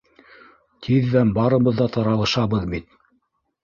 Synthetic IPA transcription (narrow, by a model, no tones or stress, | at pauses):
t̪ʰiðːæmbɑɾɤ̆βɤ̆ðːɑt̪ɑɾɑlˠɤ̆ʃɑβɤðbit̪